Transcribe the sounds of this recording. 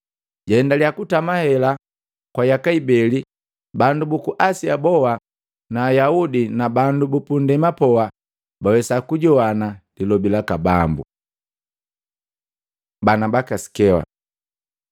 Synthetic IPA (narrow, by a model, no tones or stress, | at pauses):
ɟaɛndaliakutamahɛla | kwajakaibɛli | bandubukuʔasiabɔwa | naːjaudinabandubupundɛmapɔwa | bawɛsakuɟɔwanalilɔbilakabambṵ | banabakasi̥kɛwa̰